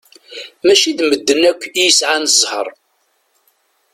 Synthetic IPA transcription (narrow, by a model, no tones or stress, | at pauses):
mæʃiðməd̪ːənækʷːjəsʕanzˤhə̰ɾˤ